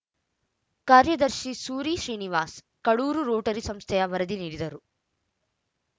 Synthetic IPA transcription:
kaːɾjɐd̪ɐɾʃisuːɾiʃɾiːniʋaːs | kɐɭuːɾuɾoːʈɐɾisɐmst̪ʰɛjɐʋɐɾɐd̪iniːɖid̪ɐɾu

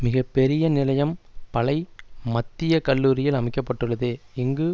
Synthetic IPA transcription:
mɪɣɐpːɛɾɪjɐnɪlɐjɐmpɐlɐɪmɐt̪ːɪjɐkɐlːuːɾɪjɪlɐmɪkːɐpːɐʈːɯɭːɐðeːɪŋɡɯ

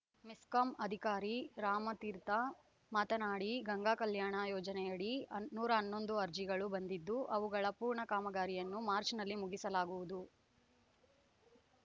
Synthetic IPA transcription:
miskɐmɐd̪ʱikaːɾiɾaːmɐt̪iːɾt̪ɐ | maːt̪ɐnaːɽiɡɐŋɡaːkɐljaːɳɐjɔːd͡ʒɐnɛjɐɽiɐnuːɾɐːnːo̞nd̪uɐɾd͡ʒiɡɐɭubɐnd̪id̪ːuʔɐʋuɡɐɭɐpuːɾɳɐkaːmɐɡaːɾijɐnːumaːɾt͡ʃnɐlːimuɡisɐlaːɡuʋud̪u

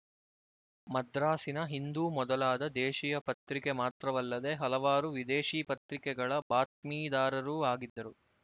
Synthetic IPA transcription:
mɐd̪ɾaːsinɐɦind̪uːmɔd̪ɐlaːd̪ɐd̪ɛːʃijɐpɐt̪ɾikemaːt̪ɾɐʋɐlːɐd̪e̞ɦɐlɐʋaːɾuʋid̪eːʃiːpɐt̪ɾikɛɡɐɭɐbaːt̪̚miːd̪aːɾɐɾuːaːɡid̪ːɐɾu

